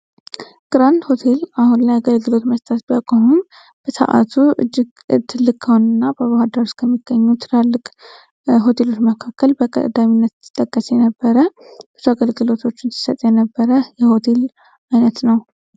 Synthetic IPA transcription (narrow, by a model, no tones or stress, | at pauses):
ɡ̥ɨɾand̪ho̞t̪ʰe̞lahunlajaɡəlɡɨlo̞t̪məst̪ʼʰat̪bijakʼoɦum | b̥əsə̰ʔa̰t̪ʰuɨ̰d͡ʒːɪɡ | t̪ʰɨlːɨkʼʰːəhonɨnːabəβahad̪aɾuskʰəmːiɡ̥ːəɲːut̪ʰɨɾalːɨkʼ | ɦo̞t̪ʰe̞lo̞t͡ʃːməkʰakːəlbəkʼə̰d̪ːaminːət̪t̪ʰːɨ̥t̪ʼːəkʼːəsjɛnəbːəɾəbəzuaɡəlɡɨlo̞t̪ʰo̞t͡ʃːɪnsɨ̥sət̪ʼjɛnəbːəɾəjɛho̞t̪ʰe̞l | ajnət̪nəw